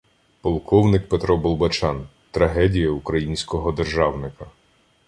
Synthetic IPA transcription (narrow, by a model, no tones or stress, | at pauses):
pɔlˠkɔwnɪk̚pet̪ɾɔbɔlˠbɐt͡ʃɑn | t̪ɾɐɦɛdʲijɐukɾɐjinʲsʲkɔɦɔd̪erʒɑwnɪkɐ